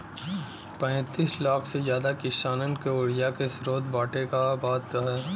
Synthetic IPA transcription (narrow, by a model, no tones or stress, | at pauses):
pɛ̃ːt̪iːslaːksezjaːd̪akɪʃaːnənkeoːɽijakesɾoːd̪baːʈekabaːt̪ɦɛː